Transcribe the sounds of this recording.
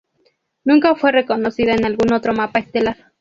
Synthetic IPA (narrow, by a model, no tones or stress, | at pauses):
nuŋkaofwerekonosiðaenalɡunot̪ɾomapaet̪ela